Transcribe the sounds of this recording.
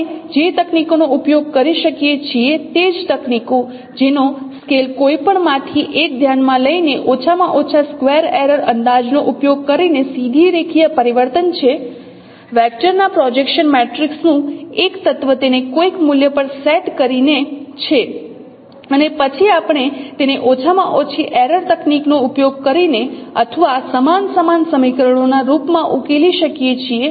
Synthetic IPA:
d͡ʒet̪əknikonoupjoɡ̚kəɾiʃəkijet͡ʃʰiet̪ed͡ʒt̪əkniko | d͡ʒenoskelkoipəɳmãt̪ʰiʔek̚d̪ʱjanmãləineʔot͡ʃʰamãʔot͡ʃʰaskʋeəɾeɾəɾənd̪ad͡ʒnoʔupjoɡ̚kəɾinesid̪ʱiɾekʰijəpəɾiʋəɾt̪ənt͡ʃʰe | ʋɛk̚ʈəɾnapɾɔd͡ʒekʃənmeʈɾiksnũekt̪ət̪ʋət̪enekojkmuljəpəɾsɛʈkəɾinet͡ʃʰe | ənepət͡ʃʰiapɳ̃et̪eneʔot͡ʃʰamãʔot͡ʃʰiʔeɾəɾt̪əkniknoupjoɡ̚kəɾineət̪ʰəʋasəmansəmansəmikɾəɳ̃onaɾupmãʔukeliʃəkjet͡ʃʰie

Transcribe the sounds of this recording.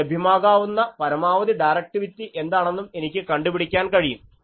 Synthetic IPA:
ebʱimaːɡaːʋunːɐpɐɾɐmaːʋɐd̪iɖɐjrɐk̚ʈiʋitʲːiʔe̞nd̪aːɳe̞nːume̞nikʲːɨkɐɳɖupiɽikʲːaːnkɐɻijum

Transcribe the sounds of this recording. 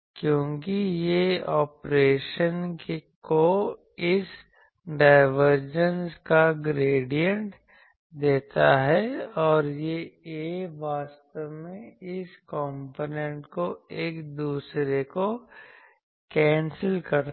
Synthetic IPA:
kjõːkijeɔːpɾeːʃənkko | ɪs | ɖaːɪʋəɾd͡ʒənskaɡɾeːɖijə̃ɳʈ | d̪eːt̪aɦɛɔːɾjeeːʋaːst̪əʋmẽɪskɔːmpoːnɛ̃ɳʈkoeːkd̪uːsɾeko | kɛ̃ːnsəlkɐɾ

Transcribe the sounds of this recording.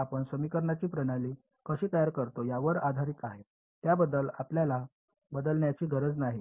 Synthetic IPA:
apəɳsəmikəɾɳjat͡ɕiːpɾəɽali | kəɕiːt̪əjaɾkəɾt̪ojaʋəɾad̪ʱaɾikaɦe | t̪jabəd̪ːəlapljala | bəd̪əlɳjat͡ɕiːɡʱəɾəd͡znaɦi

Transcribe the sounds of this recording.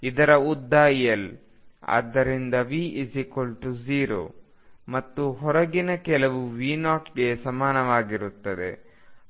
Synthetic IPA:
id̪ɐɾɐud̪ːaːjel | a̰ːd̪ːɐɾind̪ɐʋiːʔisikolʈuziːɾo̰ː | mɐt̪ːuɦɔɾɐɡinɐkɛlɐʋuʋiːnaːʈɡesɐmaːnɐʋaːɡiɾut̪ːɐd̪ḛ

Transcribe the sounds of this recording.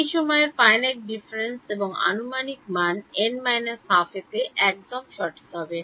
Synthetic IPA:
ejʃɔmɔefajneʈ̚ɖifɾenseboŋa̰numanik̚manenmajnesafet̪eʔɛk̚d̪omʃɔɾʈʰi̥t̪eɦɔbe

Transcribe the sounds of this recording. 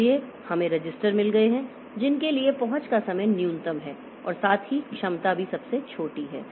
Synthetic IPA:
ie | hɐmẽɾɐd͡ʒɪsʈəɾmɪlɡɐeɦɛ̃ | d͡ʒɪnkeliepɐɦʊ̃t͡ʃkasɐməjnjuːnɪt̪əmɦɛː | ɔ̰ːɾsaːt̪ʰɦikʃɐmt̪abʱisɐbset͡ʃʰoːʈiɦɛ̰ː

